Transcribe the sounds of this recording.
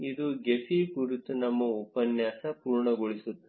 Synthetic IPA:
id̪uɡefʰikuɾut̪ːunɐmːɐɔpɐnjaːsɐpuːɾɳɐɡoɭisut̪ːu̥

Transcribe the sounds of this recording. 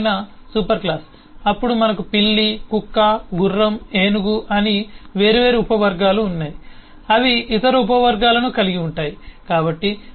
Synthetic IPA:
nɐsuːpɐɾklaːs | ɐpːuɽumɐnɐkupiɭːikukːaɡurːɐmeːnuɡuʔɐniʋe̞ːɾuʋe̞ːɾeupɐʋɐɾɡaːluːnːaːji | ɐʋiːt̪ɐɾuup̬ɐʋɐɾɡaːlɐnukɐliɡiuɳʈaːjikaːbɐʈːi

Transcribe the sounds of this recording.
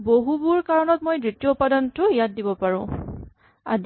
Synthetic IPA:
boɦubuɹkaɹɔnɔt̚mojdɹitijɔupadɔntʊijat̚dibɔpaɹʊ̰̃ | a̰d

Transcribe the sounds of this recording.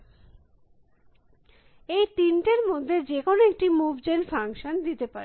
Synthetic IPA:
ejt̪inʈeɾmod̪ʱːed͡ʑekonoek̚ʈimubd͡ʑenfaŋʃond̪it̪epaɾe

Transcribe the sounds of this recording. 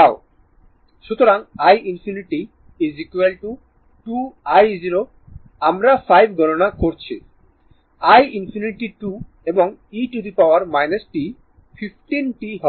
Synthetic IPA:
ao | ʃut̪oɾaŋajʔinfʰiniʈi | izikuelʈu | ʈuajziɾo | amɾafʰajbɡʱɔnonakoɾt͡ɕʰḭ | ajinfʰiniʈiʈu | eboŋiʈud̪ipawaɾmajnesʈi | fʰifʈinʈiɦɔ

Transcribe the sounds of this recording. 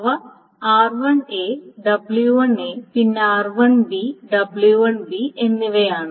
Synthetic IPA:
ʋɐ | aːrʋɐɳeːɖɐbljuʋɐɳeːpinːeaːɾʋɐɳbiɖɐbɭjuʋɐɳbienːiʋejaːɳɨ

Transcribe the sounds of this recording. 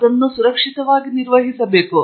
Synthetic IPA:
d̪ɐnːusuɾɐkʂit̪ɐʋaːɡiniɾʋɐɦisɐbeːku

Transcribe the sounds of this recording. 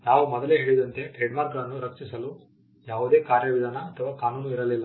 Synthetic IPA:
naːʋumɔd̪ɐleɦe̞ːɭid̪ɐnt̪e̞ʈɾeːɖmaːɾkɐɭɐnːuɾɐkʂisɐlu | jaːʋud̪e̞ːkaːɾjɐʋid̪ʱaːnɐɐt̪ʰɐʋaːkaːnuːnuiɾɐlilːɐ

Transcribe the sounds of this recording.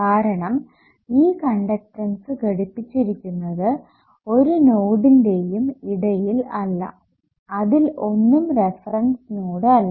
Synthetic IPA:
kaːɾɐɳɐm | iːkɐɳɖɐk̚ʈɐnsɨkeɽupːit͡ɕːiɾikʲːunːɐðɨ | o̞ɾunoːɽinde̞jumiɽɐjilɐlːɐ̰ | ɐðilo̞nːumrefɐrɐnsnoːɽɨɐlːɐ

